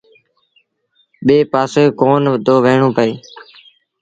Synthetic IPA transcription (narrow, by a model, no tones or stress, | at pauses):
ɓeːpaːsoːkoːnʋd̪ʱoːʋeːɳõːpəeː